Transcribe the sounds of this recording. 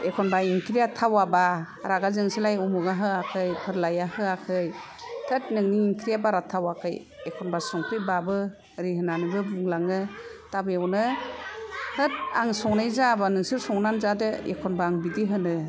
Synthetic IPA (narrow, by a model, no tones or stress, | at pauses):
ekʰɔnbaiŋkʰɾijatʰawaba | ɾaɡazɯŋsilajumuɡaɦɯakʰɯjpʰɯɾlajahɯakʰɯj | tʰɯt̚nɯŋniːŋkʰɾijabaɾatʰawakʰɯj | ekʰɔnbasɔŋpʰɯbabɯ | ɾihɯnanibɯbuŋlaŋɯtabeawnɯ | hɯt̚aŋsɔŋnajzabanɯŋsiɾsɔŋnanzadɯḛkʰɔnbaːŋbidiɦɯnɯ